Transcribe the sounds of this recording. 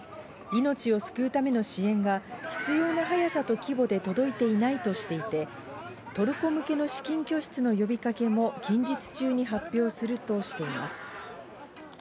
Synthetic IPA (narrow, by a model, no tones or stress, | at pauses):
ino̞t͡ɕio̞sɨ̥kɯ̟ɯt̪ame̞no̞ɕiẽ̞ŋɡaçi̥t͡sɨjo̞ːnaɦajasat̪o̞kʲibo̞d̪e̞t̪o̞d̪o̞it̪e̞inait̪o̞ɕi̥t̪e̞it̪e̞ | t̪o̞ɾɯ̟ko̞mɯ̟ke̞no̞ɕi̥kʲĩŋkʲo̞ɕi̥t͡sɨno̞jo̞bʲikake̞mo̞kẽ̞ɲ̟d͡ʑit͡sɨ̥t͡ɕɨːɲ̟iɦapʲːjo̞ːsɨɾɯ̟t̪o̞ɕi̥t̪e̞ima̰sɨ̥